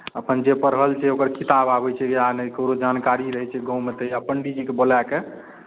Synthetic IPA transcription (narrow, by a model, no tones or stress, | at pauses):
əpənd͡ʒepəɾɦəlt͡ʃʰɛokəɾkit̪ababɛt͡ʃʰɛeanekəɾod͡ʒankaɾiɾəɦɛt͡ʃʰɛɡə̃ũmet̪əjapəɳɖid͡ʒikebolake